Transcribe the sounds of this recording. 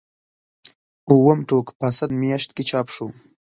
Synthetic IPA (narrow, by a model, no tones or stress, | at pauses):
uwəmʈokpasand̪mjɑʃt̪̚ket͡ʃɑpʂo